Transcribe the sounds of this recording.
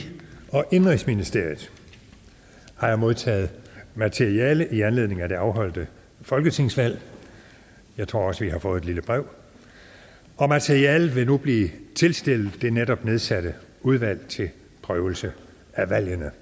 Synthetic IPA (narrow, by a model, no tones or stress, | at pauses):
ɒ̽ʔe̝nʁeŋsminisd̥e̝ɐ̰ið̩ˠ | hɑ̈jɑ̈ɪmo̝ðˠt͡sʰɛ̰ːð̞̩ˠmæt͡sʰeiɛːləʔiænle̝ð̰ˠne̝ŋæd̥e̝ɑ̈ʊɦɒ̽l̰d̥ə | fɒ̽lɡ̥ət͡sʰe̝ŋ̰sʋæl̰ | jɑ̈ɪt͡sʰʁo̝ɐɒ̽səʋiɦɑ̈fɔ̽ːð̩ˠedliləb̥ʁɛʊ | ɒ̽mæt͡sʰeɐiɛːləʋe̝nub̥liːt͡sʰe̝lsd̥e̝l̰ð̩ˠd̥e̝neɾ̥ɒ̽b̥ne̝ð̞ˠsæd̥ə | uðˠʋæl̰t͡sʰe̝l | pʰʁœːʊl̩sə | æʋæl̰jənə